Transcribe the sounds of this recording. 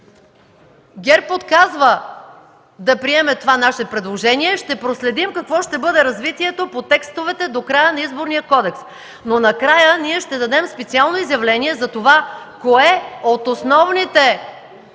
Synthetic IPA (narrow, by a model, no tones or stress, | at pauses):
ɡʲɛɾpot̪kazvə | d̪ɐpɾiɛmɛt̪ovanaʃɛpɾɛd̪lˠoʒɛniɛʃt̪ɛpɾoslɛd̪imkɐkvɔʃt̪ɛbɤd̪ɛɾɐzvit̪iɛt̪opot̪ɛkst̪ovɛt̪ɛd̪okɾajənɐizboɾnijəkɔd̪ɛks | nonɐkɾajəniɛʃt̪ɛd̪ɐd̪ɛmspɛt̪sialˠnoizjɐvlɛniɛzɐt̪ovakoɛot̪osnɔvnit̪ɛ